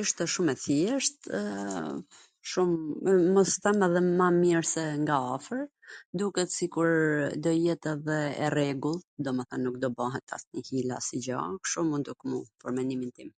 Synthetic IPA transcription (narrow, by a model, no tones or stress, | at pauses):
iʃt̪ɛʃumɛθjɛʃt̪ | ʃumːɔsθɛmɛðɛmamiɾsɛŋɡaafəɾ | d̪ukɛt̪sikuɾd̪ɔjɛt̪ɛðɛːrɛɡulˠd̪ɔmɛθanːuk̚d̪ɔbaɦɛt̪ʰa̰sɲihila̰sid͡ʑa̰kʃumund̪ukmupɔɾmɛnimint̪im